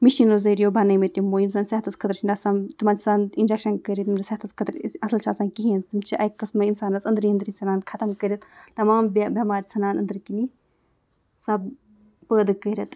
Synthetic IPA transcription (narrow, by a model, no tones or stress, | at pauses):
miʃiːnɾozəɾijoːbʱɐnɐjmet̪ʲimoːjimsɐnsɐɦɐt̪ʰɐskʰɐt̪ɾt͡ʃʰind̪ʲɐsaːnt̪umaːnt͡ʃʰisaːnind͡ʒekʃɐnkəɾʲit̪mɾsɐɦt̪ʰɐskʰɐt̪ɾɐsɐlt͡ʃʰaːsaːnkiɦẽːnzt̪umt͡ʃʰiʔɐkːɐsmɐinsaːnɐsɐnd̪ɾiɐnd̪ɾinsɐnaːnkʰɐt̪ɐmkəɾʲɐt̪t̪ɐmaːmbbʲɐmaːɾʲisɐnaːnɐnd̪ɨɾkini | sɐb | pəːd̪ɨkəɾʲɐt̪